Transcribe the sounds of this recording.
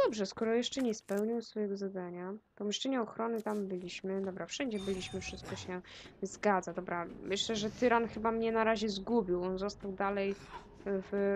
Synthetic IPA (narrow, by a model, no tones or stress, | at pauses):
d̪ɔbʐɛskɔɾɔjɛʂt͡ʂɛɲɛspɛwɲiwsfɔjɛɡɔzad̪aɲapɔmʲiʂt͡ʂɛɲɛɔxɾɔnɘt̪ambɘlʲiɕmɘd̪ɔbɾafʂɛɲd͡ʑɛbɘlʲiɕmɘfʂɘst̪̚kɔɕɛzɡad̪zad̪ɔbɾamɘɕlɛʐɛt̪ɘɾanxɘbamɲɛnaɾaʑɛzɡubʲiwɔnzɔst̪awd̪alɛj | v